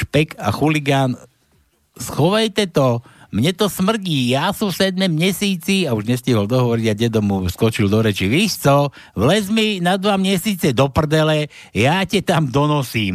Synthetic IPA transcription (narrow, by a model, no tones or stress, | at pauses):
ʃpɛkʰa̰xuliɡan | sxɔʋajt̪ɛt̪ɔmɲɛt̪ɔsmr̩ɟiːjaːsusɛd̪̚mɛmɲɛsiːt͡siauʒɲɛsciɦɔld̪ɔɦɔʋɔɾiɟaɟɛd̪ɔmuskɔt͡ʃild̪ɔɾɛt͡ʃiʋiʃt͡sɔ | ʋlɛzminad̪ʋamɪɛsiːt͡sɛd̪ɔpr̩d̪ɛlɛ | jacɛt̪amd̪ɔnɔsiːm